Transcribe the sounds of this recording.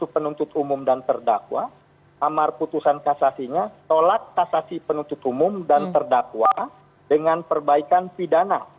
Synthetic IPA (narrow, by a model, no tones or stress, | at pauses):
supənunt̪ʊt̪umʊmdant̪ərdakwa | amarput̪usankasasiɲat̪olat̪̚kasasipənunt̪ʊt̪umʊmdant̪ərdakwa | dəŋanpərbaikanpidana̰